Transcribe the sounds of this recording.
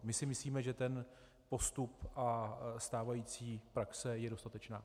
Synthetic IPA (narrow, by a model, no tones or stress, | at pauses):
mɪsɪmɪsliːmɛʒɛt̪ɛn | po̞st̪upʔast̪aːvajiːt͡siːpɾaksɛjɛdo̞st̪at̪ɛt͡ʃnaː